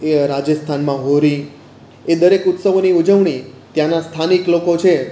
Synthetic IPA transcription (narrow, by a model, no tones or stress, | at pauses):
eɾad͡ʒəst̪ʰanmãɦoɾi | ed̪əɾekʊt̪səʋoniud͡ʒəʋɳit̪jãnast̪ʰaniklokot͡ʃʰe